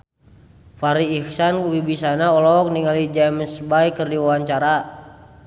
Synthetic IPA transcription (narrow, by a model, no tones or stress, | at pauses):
faɾiːhsankuwibisanaɔlɔk̚niŋalid͡ʒamsbaikɨrdiwawaɲt͡ʃaɾa